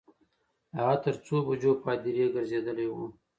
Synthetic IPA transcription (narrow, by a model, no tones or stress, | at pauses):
ɦɑt̪əɾt͡sobad͡ʒopɑd̪iɾeɡəɾzed̪əlewṵ